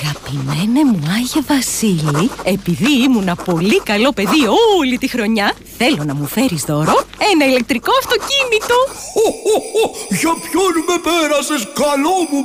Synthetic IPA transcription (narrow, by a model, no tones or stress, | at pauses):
ɐɣɐpime̞ne̞muɐʝevɐsilie̞piðiimunɐpo̞likɐlo̞pe̞ðiolit̪ixɾo̞ɲɐ | θe̞lo̞nɐmufe̞ɾizðo̞ɾo̞e̞nɐile̞k̚t̪ɾiko̞ɐft̪o̞cinit̪o̞oooʝɐpçonme̞peɾɐseskɐlomu